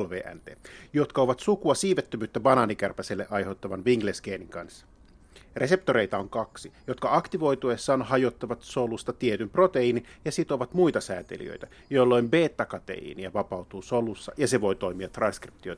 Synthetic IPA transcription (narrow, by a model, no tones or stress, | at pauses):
lʋḛːʔæ̰nt̪eːjo̞t̪kɑo̞ʋɑt̪sukuɑsiːʋet̪ːømyːt̪ːæbɑnɑːnikærpæselːeʔɑjhet̪ːɑʋɑnʋiŋɡlesɡeːniŋkɑnsːɑ̥ | re̞se̞p̚t̪oɾe̞jt̪ɑoŋkɑksijo̞t̪kɑɑkt̪iʋo̞jt̪uesːɑːnhɑjot̪ːɑʋɑt̪so̞lust̪ɑt̪iet̪ympro̞t̪eiːnijɑsit̪oʋɑt̪mujt̪ɑsæːt̪ḛlḭø̰jt̪æ | jolːo̞jmbe̞ːt̪ːɑkɑt̪ḛḭːniæʋɑpɑuwt̪uːsolusːɑjɑse̞ʋo̞jt̪o̞jmiɑt̪rɑnskrip̚t̪io̞jt̪